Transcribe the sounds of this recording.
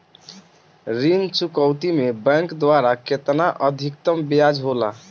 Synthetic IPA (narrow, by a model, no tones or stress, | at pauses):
ɾint͡ʃukəwt̪imebɛ̃ŋkd̪waɾaket̪naʔəd̪ʱikt̪əmbijad͡ʒɦola